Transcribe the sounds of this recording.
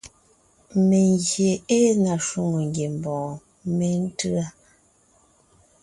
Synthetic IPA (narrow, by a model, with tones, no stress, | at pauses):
me˨ŋɡje˨e˦na˨ʃu˦ŋo˨ŋɡje˨m˨bɔ̃ː˨ | me˦n̩˦tɯ˦a˦